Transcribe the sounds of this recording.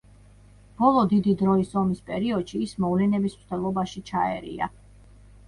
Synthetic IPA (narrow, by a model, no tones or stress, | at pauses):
b̥ɔlˠɔd̪id̪id̪ɾɔisɔmispʼɛɾiɔd̪̥ʃiːsmɔvlɛnɛbismt̪ʰɛlˠɔbaʃit͡ʃʰaɛɾḭa̰